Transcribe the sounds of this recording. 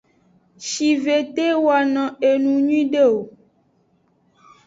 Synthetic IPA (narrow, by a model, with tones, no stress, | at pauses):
ʃi˨ve˨t̪e˦wa˨nɔ̃˨e˨nũ˨ɲũ˦ĩ˦ɖe˦o˨